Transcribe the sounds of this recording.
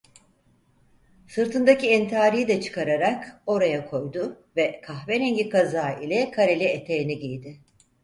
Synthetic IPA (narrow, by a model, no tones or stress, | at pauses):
sɯɾt̪ʰɯnd̪aciɛnt̪ʰiaːɾijid̪ɛt͡ʃʰɯ̥kʰaɾaɾako̞ɾajakʰo̞jd̪ʊ | vɛkʰaxvɛɾɛɲɟikazaːilʲɛkʰaɾelʲɛet̪ʰejiniɟijd̪ɪ